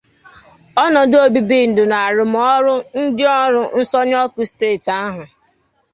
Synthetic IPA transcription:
ɔ˦nɔ˨do˦bi˦bi˦˨n̩˨dʊ˨na˨a˨ɾʊ˨m˨ɔ˦ɾʊ˦n̩˦dɪ˦ɔ˦ɾʊ˦n̩˦sɔ˦ɲ˦ɔ˦kʊ˦steː˦˨ta˦ɦʊ˨

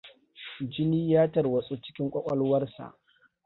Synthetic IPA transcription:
d͡ʒɪ˦niː˦jaː˦tɐ˨rwɐ˨sʼu˦t͡ʃɪ̥˦kʲɪ˦ŋkʷʼɐ˦kʷʼɐ˦lwɐ˦rsa̰˨ʔ

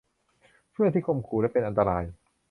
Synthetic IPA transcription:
pʰɯ˥˩˨t̪ʰiː˥˩kʰo˧mkʰuː˨˩lɛ˦˥˩pe˧nʔa˧nt̪a˧ɾaː˧j

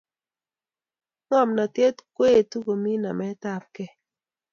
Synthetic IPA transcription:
ŋɔ˦˨mna˨tje˦tkwe˦˨tu˦ko˨mi˦na˨mɛ˦ta˦p̚kɛ˦

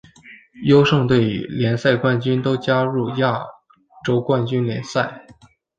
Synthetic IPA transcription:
jo˥ʊʂɤ˥˧ŋt̪we˥˩ɪ̰˨˥ljɛ˧˥nsa˥˧ɪkwa˥˩nt͡ɕy˥nt̪o˥ʊt͡ɕja˥ɻu˥˩ja˥˩ | ʈ͡ʂo˥ʊkwa˥˧nt͡ɕy˥nljɛ˧˥nsa˥˩ɪ

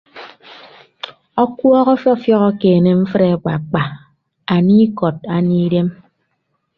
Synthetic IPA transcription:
ɔ˦kwɔ˦ɣɔ˦fjɔ˦fjɔ˦ɣɔ˦keː˨ne˨m̩˦fɾe˨˦k͡pa̰˨k͡pa˨ | a˨ni˦kɔ˨t̚a˨ni˦de˦m

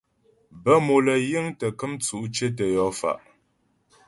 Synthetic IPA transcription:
bə˦mo˨lə˨jə˦ŋtə˨kə˦mt͡su˨ʔt͡ʃe˦t̬ə˨jɔ˨˦fa̰˨ʔ

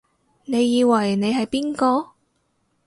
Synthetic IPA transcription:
ne˨˧jːiː˨˧wɐ˨˩jne˨˧jɦɐ˨jpiː˥nkɔː˧

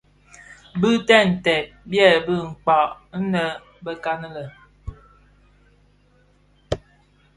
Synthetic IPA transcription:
bɨ˦tɛ˦˨n̩˨tɛ˨ʔ̚bjɛ˦˨lbɨ˦ŋ̩˨k͡pa˨n̩˦nə˦ | bə˦ka˦nə˦lə˨

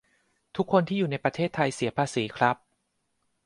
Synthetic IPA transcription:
t̪ʰu˦˥kʰːo˧nt̪ʰiː˥˩uː˨˩na˧jpɾa˧t̪ʰeː˥˩t̪ʰːa˧jsi˨˩˦ɐpʰaː˧siː˩˦kʰɾa˦˥p̚

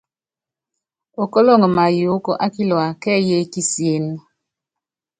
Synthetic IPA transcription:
o˨kɔ˦lɔ˦ŋə˨ma˨ju˨˦ko˦ʔa˦ki˦lɔ˨a˨kɛ˦je˦ki˦si˨e˦n

